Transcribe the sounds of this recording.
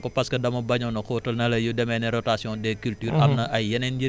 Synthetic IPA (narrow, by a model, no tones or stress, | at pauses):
kɔpɐskɐdɐmɐbɐɲɔnɐkɔtɐlnɐlɐjudɛmɛnɛɾɔtasjɔ̃dɛkyltyːɾɐmnɐʔɐjːɐnɛnd͡ʒi